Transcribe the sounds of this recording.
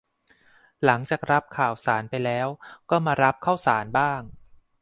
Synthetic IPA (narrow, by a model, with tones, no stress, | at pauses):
la˩˦ŋt͡ɕaː˨˩k̚ɾa˦˥p̚kʰaː˨˩wsaː˩˦npa˧jlɛː˦˥wkɔː˥˩maː˧ɾa˦˥p̚kʰa˥˩wsaː˩˦nbaː˥˩ŋ